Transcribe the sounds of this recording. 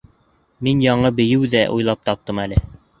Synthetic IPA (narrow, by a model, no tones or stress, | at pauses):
minjɑɴɤbɘ̆jɘwðæʔṵjlˠɑp̚t̪ɑp̚t̪ɤmælɘ